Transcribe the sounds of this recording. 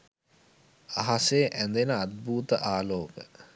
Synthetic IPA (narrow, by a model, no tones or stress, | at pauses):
aɦaseʔænd̪enəad̪̚buːt̪əʔaːloːkə